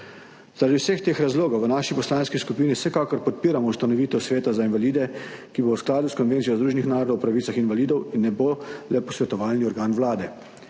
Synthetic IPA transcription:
zaɾad̪iwsext̪eːxɾazloːɡɔwʋənaːʃipɔslaːnskiskupiːniwsɛkakɔɾpɔt̪̚piːɾamɔust̪anɔʋiːt̪ɛwsʋeːt̪azainʋaliːd̪ɛkibowsklaːd̪uskɔnʋent̪ijɔzd̪ɾuːʒenixnaːɾɔd̪ɔwpɾaʋit̪saxinʋaliːd̪ɔwinːɛbolɛpɔsʋɛt̪ɔʋaːlniɔɾɡaːnʋwlaːd̪ɛ

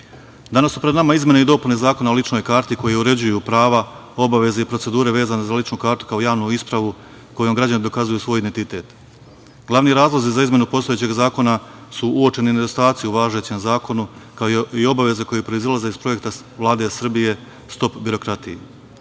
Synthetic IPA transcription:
d̪anasːupɾenamaizme̞neid̪o̞punezaːko̞nao̞lit͡ʃno̞jkaːɾt̪iko̞jeuɾe̞d͡ʑujupɾaːʋao̞baʋe̞zeipɾo̞tse̞d̪uːɾe̞ʋe̞ːzane̞zalit͡ʃnukaːɾt̪u̥kao̞jaːʋnuispɾaʋu | ko̞jo̞mɡɾad͡ʑanid̪o̞kazujuːsʋo̞ːjid̪ent̪it̪e̞ːt̪ | ɡ̥lˠaʋniɾaːzlˠo̞zizaizmje̞nupo̞st̪o̞jet͡ɕe̞ɡzaːko̞nasuuo̞t͡ʃe̞nind̪ost̪aːt̪sijuuʋaːʒe̞t͡ɕe̞mzaːko̞nukaoio̞baʋe̞ze̞kojepɾo̞izlaze̞ispɾo̞je̞kt̪a | ʋlˠaːd̪e̞sr̩bije̞ | st̪o̞pbiɾo̞kɾat̪ijḛ

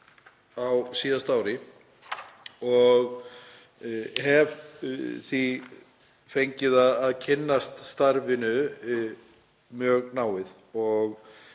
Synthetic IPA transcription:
awsiːðast̪aːwɾɪ | ɔɣ | ɦɛvθi | fejɲcɪðaðaðcʰɪnːast̪st̪aɾvɪnʏ | mjœːɣnaːwɪð | ɔɣ

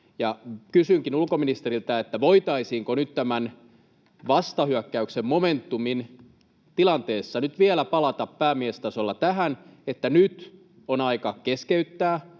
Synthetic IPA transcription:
jɑkysyŋkinulkominist̪eɾilt̪æet̪ːæʋoit̪ɑisiːŋkonyt̪t̪æmæn | ʋɑst̪ɑhyækːæyksemmoment̪ːumin | t̪ilɑnt̪eːsːɑnyt̪ʋielæpɑlɑt̪ɑppæːmiest̪ɑsolːɑt̪æɦænet̪ːænyt̪ | onɑikɑkeskeyt̪ːæː

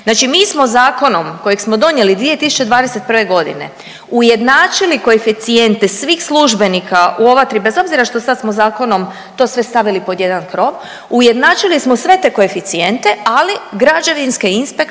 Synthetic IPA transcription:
znaːt͡ʃimiːsmo̞zaːko̞no̞mko̞jeɡsmo̞d̪o̞nje̞lid̪ʋie̞t̪isu̥t͡ʃeʋaːd̪ese̞t̪̚prʋe̞ɡo̞d̪ḭne̞̰ | uje̞d̪naːt͡ʃiliko̞efit̪sie̞nt̪esʋiːxsluʒbe̞nikʰaʔuoʋat̪ɾibe̞zo̞bziɾaʃt̪o̞sad̪smozaːko̞no̞m | t̪o̞ːsʋe̞st̪aʋilipo̞d̪je̞d̪ankɾo̞ʋ | uje̞d̪naːt͡ʃilismosʋe̞t̪e̞ːko̞efit̪sie̞nt̪e̞aliɡɾad͡ʒaʋinskeinspek

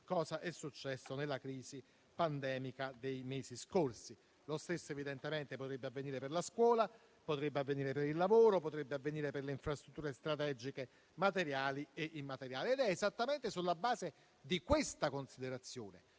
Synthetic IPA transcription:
kɔːzaʔɛsːut͡ʃːɛsːonelːakɾiːzi | pand̪ɛːmikad̪ejmeːziskorsi | lost̪esːoevid̪ent̪emɛnt̪epot̪ɾebːeavːeniːɾeperlaskwɔːla | pot̪ɾebːeavːeniːɾepeɾilːavoːɾopot̪ɾebːeavːeniːɾeperleiɱfɾast̪ɾut̪ːuːɾest̪ɾat̪ɛːd͡ʒike | mat̪eɾjaːlieʔimːat̪eɾjaːliɛd̪ɛːzat̪ːamɛnt̪esulːabaːze | d̪ikwest̪akonsid̪eɾat̪sːjoːne

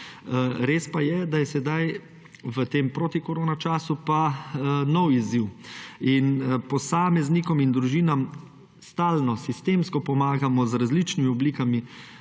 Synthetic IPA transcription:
ɾeːspajɛd̪ajɛsɛd̪aj | ʋət̪eːmpɾoːt̪ikɔɾoːnat͡ʃaːsupanɔwiziwinpɔsaːmɛznikɔmind̪ɾuʒiːnam | st̪aːlnɔsist̪eːmskɔpɔmaːɡamɔzɾazlit͡ʃnimiɔbliːkami

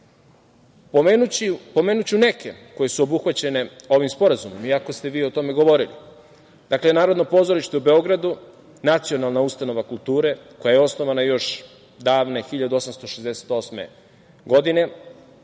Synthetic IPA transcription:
pomenut͡ɕipo̞me̞ːnut͡ɕune̞ke̞ko̞je̞suo̞buxʋat͡ɕe̞ne̞o̞ʋimspo̞ɾazumo̞miako̞st̪e̞ʋiːo̞t̪o̞meɡo̞ʋo̞ɾilḭ | d̪akle̞naːɾod̪no̞po̞ːzo̞ɾiʃt̪eube̞o̞ɡɾad̪u | nat̪sio̞nalˠnaust̪ano̞ʋakulˠt̪uːɾe̞ko̞jajeo̞sno̞ʋanajo̞ʃ | d̪aːʋne̞xiʎad̪uo̞samst̪o̞ʃezd̪e̞se̥t̪o̞sme̞̰ | ɡo̞d̪ine̞

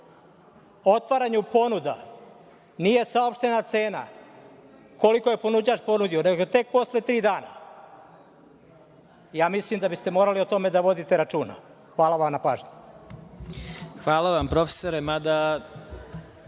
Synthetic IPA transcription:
o̞t̪ʋaɾaɲupo̞nud̪a̰ | nije̞saopʃt̪e̞nat̪se̞ːna̰ | ko̞liko̞jepo̞nud͡ʑat͡ʃpo̞nud̪ioneɡoot̪e̞k̚po̞slet̪ɾiːd̪aːna̰ | jaːmislimd̪abist̪e̞mo̞ːɾaliot̪o̞me̞d̪aʋo̞d̪it̪e̞ɾat͡ʃuːna̰ | xʋaːlaʋamnapaːʒɲu | xʋaːlˠaʋampɾofe̥soɾemad̪a

